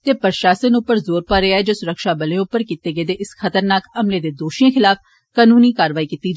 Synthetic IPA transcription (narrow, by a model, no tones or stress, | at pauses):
t̪eːpɾʃaːsənʊpːəɾzoːɾpaːɾeaɛːd͡ʒoːsʊɾəkʃaːbəlẽʊpːəɾkiːt̪eːɡeːd̪eːʔɪsxʰət̪əɾnaːkəmleːd̪eːd̪oːʃiẽxʰɪlaːpʰ | kaːnuːniːkaːɾəʋaːikiːt̪ːiːd͡ʒ